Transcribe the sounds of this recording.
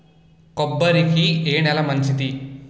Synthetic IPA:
kɔbːɐɾikieːnɛlɐmɐɲt͡ʃid̪i

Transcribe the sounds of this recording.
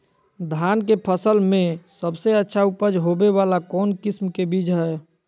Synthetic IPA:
d̪ʱankepʰəsəlmẽsəbseətːʃʰaupəd͡ʒɦobeβalakɔːnkɪsmkebid͡ʒɦɛ

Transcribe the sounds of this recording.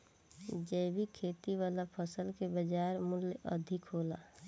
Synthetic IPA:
d͡ʒəbʱikʰeːt̪iwaːlapʰəsəlkebəd͡ʒaːɾmʊljə̰d̪ʱɪkɦoːlaː

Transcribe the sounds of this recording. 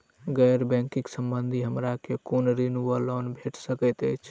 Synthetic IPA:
ɡɛɾbɛ̃ŋkɪksəmbənd̪ʱiɦəmɾakekonɾinuəlɔnbʱeʈsəkɛt̪əjt͡ʃʰ

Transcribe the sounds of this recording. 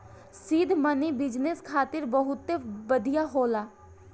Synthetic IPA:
siːd̪ʱmənibɪd͡ʒneskʰaːt̪ɪɾbəɦʊt̪ːebəd̪ʱijaɦoːlaː

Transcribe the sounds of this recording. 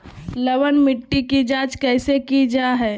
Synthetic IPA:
ləʋənmɪʈːikid͡ʒaːd͡ʒkɛːsekid͡ʒaɦɛː

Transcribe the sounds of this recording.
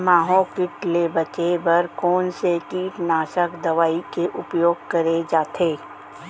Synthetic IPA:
maːɦõkɪʈlebɐt͡ʃebɐɾkoːnsekiːʈnaːʃəkd̪ɐʋaːikeʔʊpjoːɡ̚kɐɾed͡ʒaːt̪ʰeː

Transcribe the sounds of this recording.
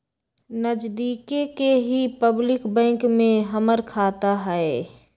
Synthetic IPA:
nəd͡ʒd̪iːkekeɦipəblɪkbɛ̃ːŋkmẽɦəməɾkʰaːt̪aɦɛe

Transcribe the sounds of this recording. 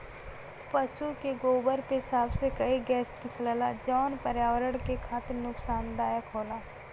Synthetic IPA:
pəsukeɡoːbəɾkeɦɪsaːbsekɐiɡɛːsd̪ɪkʰlalad͡ʒɔːnpəɾjaːʋəɾəɽ̃kekʰaːt̪ɪɾnʊksaːnd̪aːjakʰoːlaː

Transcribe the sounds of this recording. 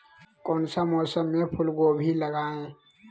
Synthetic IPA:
kɔːnsamɔːsəmːẽpʰʊlɡobʱiləɡaːẽ

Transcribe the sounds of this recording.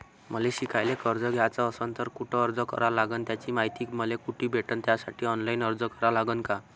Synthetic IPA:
məleɕikʰajlekəɾd͡zəɡʱjat͡saːsənt̪əɾkuʈʰəːɾd͡zəkə̰ɾalaɡənt̪jat͡ɕiːmaɦjt̪iːkməlekuʈʰiːbʱeʈənt̪jasaʈʰiːɔnlainəɾd͡zəkəɾalaɡənka

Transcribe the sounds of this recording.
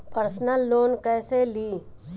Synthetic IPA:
pəɾsnəlːoːnkɛːseliː

